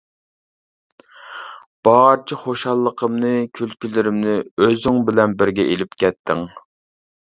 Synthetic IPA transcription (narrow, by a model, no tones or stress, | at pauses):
b̥ɑɾt͡ʃʰiχoʃɑlˠːəqʰəmnɨkʲʰylkʲylɪɾɪmnɪøzyŋbɪlɛnbɪɾɡʲɛʔelɪpkʲɛt̪ʰːɪŋ